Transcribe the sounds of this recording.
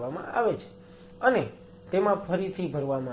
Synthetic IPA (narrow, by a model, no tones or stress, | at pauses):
amã̰a̰ʋɛt͡ʃʰe̥ | əne | t̪emãpʰəɾit͡sʰibʱəɾʋama